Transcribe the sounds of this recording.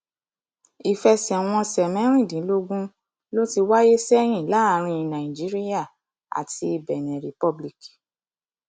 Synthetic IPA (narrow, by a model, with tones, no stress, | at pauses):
i˨fɛ˧sɛ˨w̃ɔ̃˧sɛ˨mɛ̃˨˦ɾ̃ĩ˦˨dĩ˨˦lo˦ɡũ˦ | lo˦ti˧wa˦je˦sɛ˦j̃ĩ˦˨la˦˧ɾ̃ĩ˧i˧˨nã˨ĩ˨d͡ʒi˨˦ɾi˦ja˦˨ | a̰˨ti˧i˧˨bɛ˨nĩ˨ɾi˨pɔ˧bli˦˨ki̥˨